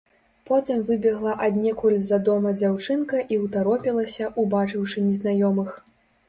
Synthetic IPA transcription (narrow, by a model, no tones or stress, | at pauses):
pɔt̪ɨmvɨbʲɛɣlˠɐʔad̪ʲnʲɛkulʲzɐd̪ɔmɐd͡zʲawt͡ʂɨnkɐʔiuwt̪aɾɔpʲilˠɐsʲɐʔubat͡ʂɨwʂɨnʲɛznajɔmɨx